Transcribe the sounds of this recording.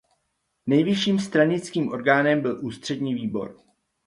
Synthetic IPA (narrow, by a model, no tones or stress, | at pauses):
nɛjvɪʃiːmst̪ɾaɲɪt͡skiːmʔo̞̰ɾɡaːnɛmbɪlʔuːst̪r̝̥ɛdɲiːviːbo̞̰ɾ